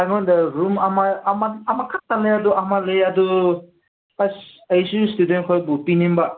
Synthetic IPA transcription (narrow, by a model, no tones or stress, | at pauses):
aɡandaɾumamamaamakʰatːaleaduʔamaleadu | ajsustudenkʰɔjbupinimba